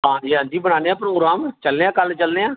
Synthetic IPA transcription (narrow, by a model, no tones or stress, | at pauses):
ɦãːd͡ʒiːãːnd̪iːbəɽ̃aːneːãːpɾoːɡɾaːmt͡ʃəlneːãːkəlt͡ʃəlneːãː